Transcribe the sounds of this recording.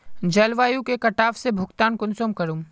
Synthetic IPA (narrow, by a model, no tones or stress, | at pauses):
d͡ʒɐlʋaːjũkekɐʈaːfsebʱʊkt̪aːnkʊnsoːmkɐɾũ